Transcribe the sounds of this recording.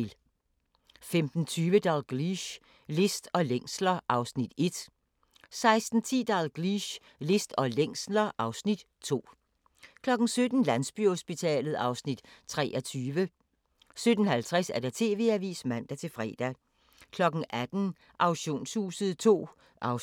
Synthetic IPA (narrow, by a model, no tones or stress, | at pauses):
l | femd̥n̩t͡sʰyːʋəd̥ɑlɡ̥ʁiɕ | le̝sd̥ɒ̽leŋ̰slɐʔɑ̈ʊsnid̥e̝d̥ | sɑ̈ɪsd̥n̩t͡sʰḭːd̥ɑlɡ̥ʁiɕ | le̝sd̥ɒ̽leŋ̰slɐʔɑ̈ʊsnid̥ | t͡sʰo̝̰ː | kʰlɒ̽ɡ̥n̩sød̥n̩lænsb̥y̰hosb̥it͡sʰɛ̰ːlð̞̩ˠɑ̈ʊsnid̥t͡sʰʁɛ̰ːʔɐt͡sʰyːʋə | sød̥ən̩hælt͡sʰʁɛsæɐd̥ɑ̈t͡sʰe̝̰ːʋe̝æʋḭːsmæn̰d̥æt͡sʰe̝lfʁɛ̰ːd̥æ | kʰlɒ̽ɡ̥ŋ̩ʔæd̥n̩ | ʔɑ̈ʊɕo̝̰ːnshṵːsəð̩ˠt͡sʰo̝̰ː | ʔɑʊ